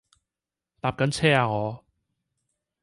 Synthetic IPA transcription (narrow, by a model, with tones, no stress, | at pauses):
t̪aː˧p̚kɐ˨˥nt͡sʰɛː˥aː˧ŋɔː˨˧